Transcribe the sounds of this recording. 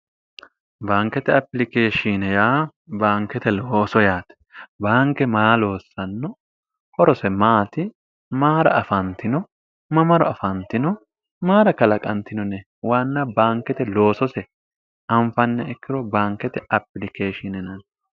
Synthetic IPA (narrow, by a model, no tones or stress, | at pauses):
baːŋkːɛt̪ɛɐplɪkeːʃinɛjaːbaːŋkːɛt̪ɛloːsɔjaːt̪ɛ̥ | baːŋkːɛmaːlo̞ːsːɐnːɔ | hɔɾɔsɛmaːt̪ɪ | maːɾɐ̰ʔɐfɐnt̪ɪnɔ | mɐmɐɾɔ̰ɐfɐnt̪ɪnɔ | maːɾɐkɐlɐkʼɐnt̪ɪnɔnɛ | wanːɐbaːŋkːɛt̪ɛlo̞ːsɔsɛ | ɐɱfɐnːɛɛkːɪɾɔbaːŋkɛt̪ɛɐplɪkʰeːʃɪnɛnɐn